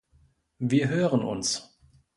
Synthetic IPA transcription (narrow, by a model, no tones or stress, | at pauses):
viːɐɦøːʁənʔʊ̰ns